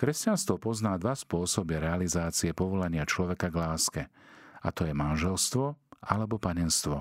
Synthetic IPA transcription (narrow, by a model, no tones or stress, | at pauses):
kɾɛscanst̪ʋɔpɔznaːd̪ʋaspʊɔsɔbiɾɛalizaːt͡siɛpɔʋɔlaɲɪat͡ʃlɔʋɛkaɡlaːskɛa̰t̪ɔjɛmanʒɛlst̪ʋɔʔalɛbɔpaɲɛnst̪ʋɔ